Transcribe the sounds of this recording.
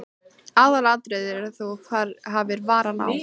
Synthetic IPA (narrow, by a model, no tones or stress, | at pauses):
aːðalat̪ɾɛðɪɾɛɾθowkʰvaɾɦavɪɾvaːɾana̰w